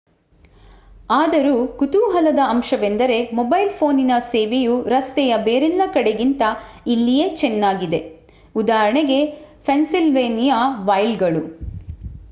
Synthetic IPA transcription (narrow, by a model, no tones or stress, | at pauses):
aːd̪ɐɾukut̪uːɦɐlɐd̪ɐːmʃɐbend̪ɐɾe̞mɔbɐjlpʰo̞ːninɐseːʋejuɾɐst̪ɛjɐbeːɾɛlːɐkɐɽe̞ɡint̪ɐilːijet͡ʃɛnːaːɡid̪e̞ | ud̪aːɾɐɳeɡe̞pʰensilʋeːnijɐʋɐjlɡɐɭu